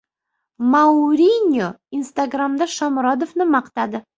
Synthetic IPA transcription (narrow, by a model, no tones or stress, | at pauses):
mawɾʲinʲo | inst̪aɡɾamd̪aʃɒmɾɒd̪ofnɪmɑqt̪ad̪ɪ